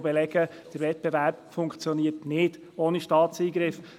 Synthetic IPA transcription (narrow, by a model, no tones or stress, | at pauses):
bɛlɛɡ̥ə | d̥əɾvɛt̚b̥ɛvæɾpfʊŋkt͡sjɔniːətnɪd̥ | oːniʃtɑːt̪t͡siːɡɾɪf